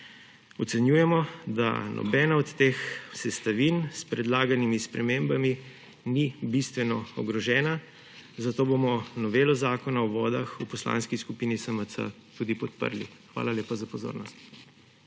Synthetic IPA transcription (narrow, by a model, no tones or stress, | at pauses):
ɔt̪sɛnjuːjɛmɔd̪a̰nʔɔ̰bɛːnaɔt̪ːexsɛst̪aʋinspɾɛd̪laːɡanimispɾɛmembami | nibist̪ʋɛnɔɔɡɾɔʒɛːna | zat̪oːbomɔnɔʋeːlɔzaːkɔnaɔʋɔːd̪axupɔsla̰ːnskiskupiːnisəməsə̰ | t̪ud̪ipɔt̪pə̰ɾlḭxʋa̰ːlaleːpazapɔzo̰ːɾnɔst̪̚